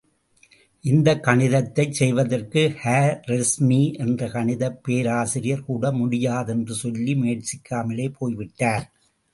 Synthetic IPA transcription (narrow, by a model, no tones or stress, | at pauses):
ʔɪnd̪ɐkːɐɳɪðɐt̪ːɐɪt͡ʃsɛjʋɐðɐrkɯhaːɾɾɛsmiʔɛndrɐkɐɳɪðɐpːeːɾaːsɪɾɪjɐɾkuːɽɐmʊɽɪjaːðɛndrɯsɔlːimʊjɐʈt͡ʃɪkːaːmɐleːpʰoːjʋɪʈːaːɾ